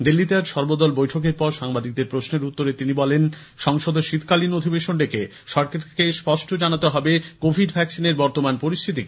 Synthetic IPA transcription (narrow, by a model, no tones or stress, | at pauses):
d̪ilːit̪eaɾʃɔɾbod̪ɔlbojʈʰok̬eɾpɔɾʃaŋbad̪ik̚d̪eɾpɾosneɾut̪ːoɾet̪inibɔlen | ʃɔŋʃod̪oʃit̪ʰkalinod̪ʱibeʃonɖeke | ʃɔɾkaɾkespɔʃʈʰod͡ʑanat̪eɦɔbekobʱiɖbʱɛksineɾbɔɾt̪omanpoɾist̪ʰit̪i